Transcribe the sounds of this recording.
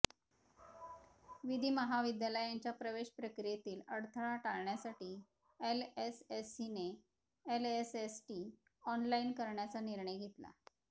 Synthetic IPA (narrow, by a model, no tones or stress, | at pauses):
ʋid̪ʱiːməɦaʋid̪jaləjãɲt͡ɕjapɾəʋeɕpɾəkɾijet̪iːləɽt̪ʰəɭaʈaɭɳjasaʈiː | elesesine | elesesʈiː | ɔnlainkəɾɳjat͡saniɾɳəjɡʱet̪la̰